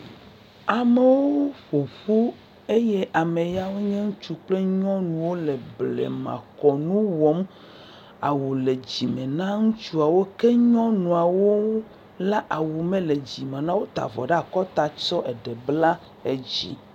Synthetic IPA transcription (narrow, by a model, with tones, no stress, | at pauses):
a˨me˦wwo˦ɸo˨ɸu˦ | e˦jɛ˦ʔa˨me˨ja˦wo˦ɲɛ̃˦ŋũ˦t͡ʃu˦k͡ple˦ɲɔ̃˦nũ˨wo˦lɛ˨blɛ̰˨mã̰˨kɔ˨nũ˦wɔ˦m | a̰˨wu˨le˨d͡ʑi˨mɛ̃˨nã˦ŋũ˦t͡ʃu˦a˨wo˦ke˦ɲɔ̃˦nũ˨a˨wo˦ | la˦ʔa˨wu˨mẽ˦le˨d͡ʑi˨mã˨nã˦wo˦t̪a̰˨vɔ̰˨ɖe˦a˨kɔ˦t̪a˨t͡ʃɔ˦ʔe˨ɖɛ˨bla˦ | e˨d͡ʑḭ˦